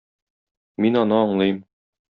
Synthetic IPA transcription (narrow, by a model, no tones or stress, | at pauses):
minɒnɤɒɴlˠɤjm